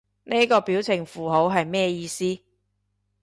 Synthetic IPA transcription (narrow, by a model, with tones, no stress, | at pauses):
ne˥kɔː˧piː˨˥wt͡sʰɪ˨˩ŋfuː˨˩ɦo˨˥wɦɐ˨jmɛː˥˧jiː˧siː˥